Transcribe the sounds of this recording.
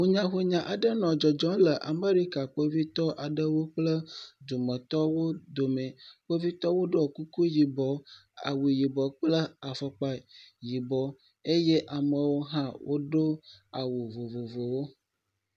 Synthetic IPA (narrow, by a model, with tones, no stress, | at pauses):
wu˦ɲã˦xu˦ɲã˨ʔa˨ɖə˦nɔ̃˨d͡ʒɔ˨d͡ʒɔ̃˦lə˨ʔa̰˨me˦ɾi˦ka˨k͡po˦vi˦t̪ɔ˦ʔa˨ɖə˦wo˦k͡plə˦d̪u˨mə̃˨t̪ɔ˦wo˦d̪o˨mɛ̃˨k͡po˦vi˦t̪ɔ˦wo˦ɖo˦o˨ku˦ku˦ji˨bɔ˨a̰˨wu˨ji˨bɔ˨k͡plə˦a˨fɔ˦k͡pa˨ji˨bɔ˨ | e˦je˦ʔa˨mə˨wo˦ɦã˦wʔo˦ɖo˦a˨wu˨vo˨vo˨vo˨wo˦